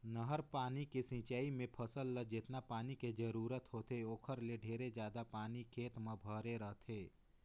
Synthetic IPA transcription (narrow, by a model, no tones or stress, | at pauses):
nəɦəɾpaːnikesɪ̃ːt͡ʃaːimẽpʰəsəlːəd͡ʒɪt̪napaːniked͡ʒəɾuːɾət̪ɦoːt̪eoːkʰəɾleɖʱeːɾed͡ʒjaːd̪apaːnikʰeːt̪mə̃bʱəɾeɾəɦt̪ʰeː